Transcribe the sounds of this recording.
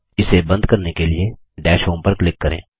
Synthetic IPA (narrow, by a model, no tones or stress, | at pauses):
ɪsebɐ̃nd̪kɐɾnekelie | ɖɛːʃɦõːmpəɾklɪkːɐɾḛ̃ː